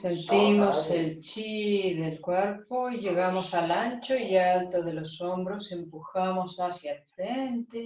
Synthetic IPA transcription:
se̞nt̪imoselt͡ʃiðelkweɾpoiʝeɣamosalant͡ʃoialt̪oðelosombɾosempuxamosasjaelfɾent̪e

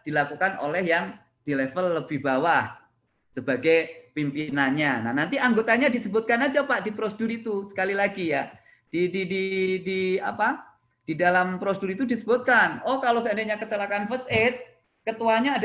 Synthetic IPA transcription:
d̥ilakukano̰lɛhjaŋ | d̥ilɛfəlːəbɪhbawah | səbaɡajpimpinanɲanahnant̪iʔaŋɡot̪aɲadisəbʊt̪̚kanad͡ʒapaʔdipɾosədʊɾit̪usə̥kalilaɡija | d̥idididia̰pa | d̥idalampɾoseduɾit̪udisəbʊt̪̚kanɔhkalosəndeʔɲakət͡ʃəlakanfəsɪt̪̚ | kət̪uwaɲaːd

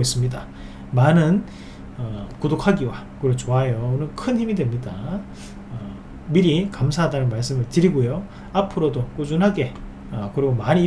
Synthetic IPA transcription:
is͈ɯmɲida | manɯn | ʌkudokʰaɡiwa | kɯɾot͡ɕoajounɯnkʰɯnçimidwe̞mɲida | ʌ | miɾikamsʰaɦadanɯnmaɭs͈ɯmɯɭtɯɾiɡojo | apʰɯɾodok͈ud͡ʑunɦaɡe̞ | ʌkɯɾiɡomaɲi

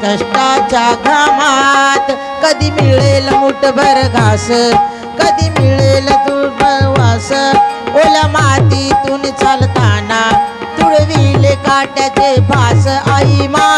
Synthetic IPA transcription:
k̪əʂʈad͡ʑaɡʱamat̪ | kəd̪ʱimiɭeləuʈbʱəɾɡʱasə | kəd̪ʱiːmiɭelat̪ubʱəɾɡasəoljamat̪it̪uːnt͡salt̪ana | t̪uɽeʋiɦlekaʈjat͡ɕebʱasəʔaima

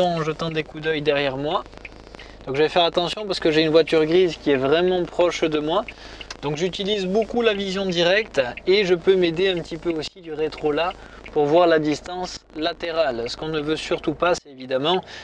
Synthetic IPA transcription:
ɔ̃ɑ̃ʒət̪ɑ̃d̪ekud̪œjd̪ɛʁjɛʁmwa | d̪̥ɔ̃kʒəvɛfɛʁat̪ɑ̃sjɔ̃paʁsə̥kəʒeynvwat̪yʁɡʁizkʲiɛvʁɛmɑ̃pχɔʃd̪əmwa | d̪̥ɔ̃kʒyt̪ilizbokulavizjɔ̃d̪iʁɛkt̪eʒəpømed̪eɛ̃pət̪ipøosid̪yʁet̪χola | puʁvwaʁlad̪ist̪ɑ̃slat̪eʁalsə̥kɔ̃nəvøsyʁt̪upasɛevid̪amɑ̃

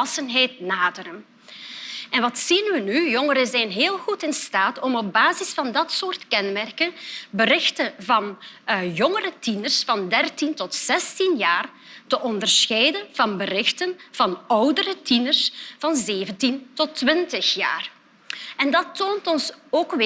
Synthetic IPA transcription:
ɑsənɦɛjtnaːdəɾən | ɛnʋɑtsinʋənyjɔŋəɾəzɛjnɦeːlˠxutɪnstaːtɔmɔb̚baːzɪsfɑndɑtsoːrtkɛnmɛrkənbəɾɪxtəvɑnjɔŋəɾətinərsfɑndɛrtintɔtsɛstinjaːr | təʔɔndərsxɛjdənvɑnbərɪxtənv̥ɑnɔwdəɾətinərsv̥ɑnzeːvəntintɔtʋɪntəxja̰ːr | ɛndɑtoːntɔnsoːkʋ

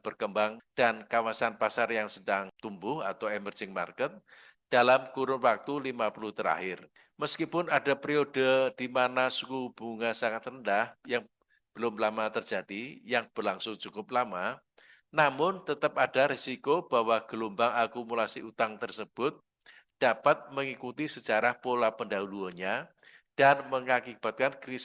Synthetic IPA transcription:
b̥ərkəmbaŋd̥ankawasanpasarjaŋsədaŋt̪umbʊhat̪awɛmərd͡ʒɪŋma̰rkət̪̚ | d̥alamkuɾʊnwak̚t̪ulimapulʊht̪əɾa̰hɪr | məskipʊnada̤pɾiod̥əd̥imanasukub̥ṳŋasaŋat̪rəndahjaŋ | b̥əlʊmlamat̪ərd͡ʒ̥ad̥ijaŋb̥ərlaŋsʊŋd͡ʒukʊp̚lama | namʊnt̪ət̪əp̚ad̥aɾisikob̥a̤waɡ̥əlumbaŋakumulasiʔut̪aŋt̪ərsəb̥ʊt̪̚ | d̥apat̪̚məŋikut̪isə̥d͡ʒaɾahpolapəndaɦuluaɲa | d̥anməŋakib̥a̤t̪̚kankɾis

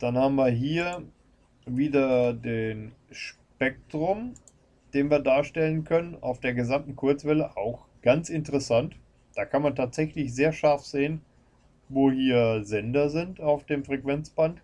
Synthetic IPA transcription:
d̥anhaːbm̩viːɐɦiːɐ | viːdɐdeːnʃ | pɛk̚tʁ̥ʊm | d̥eːnviːɐdaːɐʃtɛlənkʰœnəna̰ʊfd̥eːɐɡəzamtn̩kʰʊɐt͡sv̥ɛləʔaʊx | ɡ̥ant͡sɪntəʁɛsant | d̥aːkʰanmantʰaːtz̥ɛçlɪçz̥eːɐʃaɐfz̥eːən | voːhiːɐzɛndɐzɪntaʊfd̥eːmfʁ̥ɛkv̥ɛnt͡sb̥ant

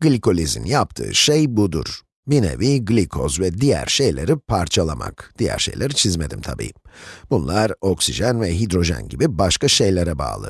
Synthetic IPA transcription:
ɡlʲiko̞lʲizḭnjap̚t̪ʰɯ̰ːʃejbud̪ṵɾ̥ | binḛviɡlʲikʰozvɛd̪ijæ̰ɾʃe̞jlʲeɾipʰaɾt͡ʃʰalˠama̰kd̪̥ijæ̰ɾʃejlʲeɾit͡ʃʰizme̞d̪imt̪ʰabḭːb̥unlˠaɾo̞ksiʒænvɛɦid̪ɾo̞ʒæ̰nɟibibaʃkaʃe̞jlʲeɾɛba̰ːlˠɯ̰

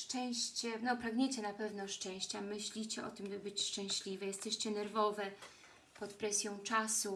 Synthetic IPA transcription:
ʂt͡ʂɛ̃w̃ɕt͡ɕɛnɔpɾaɡɲet͡ɕɛnapɛvnɔʂt͡ʂɛ̃w̃ɕt͡ɕamɘɕlʲit͡ɕɛʔɔt̪ɘmbɘbɘt͡ɕʂt͡ʂɛ̃ɕlʲivɛjɛst̪ɛɕt͡ɕɛnɛɾvɔvɛ | pɔt̪pɾɛsʲjɔ̃w̃t͡ʂasu

